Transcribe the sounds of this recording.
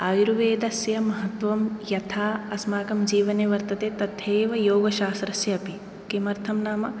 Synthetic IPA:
aːjiɾuʋeːd̪ɐsjɐmɐɦɐt̪ʋɐmjɐt̪ʰaːɐsmaːkɐmd͡ʒiːʋɐneːʋɐɾt̪ɐt̪eːt̪ɐd̪ʱjeːʋɐjoːɡɐʃaːst̪ɾɐsjɐɐpi | kemɐɾt̪ʰɐmnaːmɐ

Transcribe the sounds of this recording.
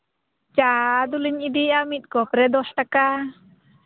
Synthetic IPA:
t͡ʃad̪uliɲid̪iamit̪̚ˀkɔpɾɛd̪ɔsʈaka

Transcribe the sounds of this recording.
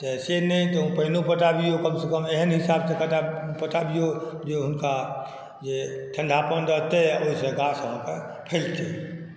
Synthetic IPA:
t̪ɛsenɛĩt̪ɔ̃pəɦnopəʈabijokəmsekəmeɦənɦisabsekəʈapəʈabijod͡ʒeɦʊnka | d͡ʒeʈ̪ʰəɳɖʱapəndəɦt̪eoisẽɡasɦãke | pʰɛlt̪e

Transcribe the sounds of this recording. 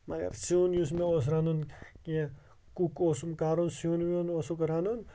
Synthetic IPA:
mɐɡɐ̰ɾsiunjus̬meos̬ɾanunkiã | kukosumkaɾunsiunmiunosokoɾanun

